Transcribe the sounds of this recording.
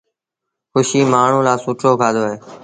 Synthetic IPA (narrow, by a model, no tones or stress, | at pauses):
xʊʃiːmaːɳ̤ũːlaːsuːʈʰoːkʰaːd̪oːɦeː